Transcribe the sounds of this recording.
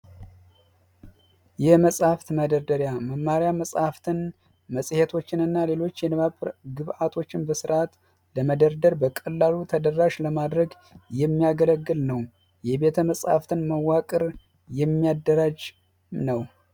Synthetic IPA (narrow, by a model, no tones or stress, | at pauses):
jɛməsʼhaft̪məd̪əɾd̪əɾjaməmːaɾjaməsʼhaft̪ʰɨn | məsʼhet̪ʰo̞t͡ʃːɪnɨnːale̞lo̞t͡ʃːjɛɡɨβʔat̪ʰo̞t͡ʃːɪnbəsɨɾʔat̪ | ləməd̪əɾd̪əɾbəkʼəlːalut̪ʰəd̪ərːaʃləmad̪ɾəɡ | jɛmːijaɡələɡːɨlnəw | jɛbe̞t̪ʰəməsʼha̰ft̪ʰɨnməwːakʼɨɾ | jɛmːijad̪ːəɾad͡ʒ | nəw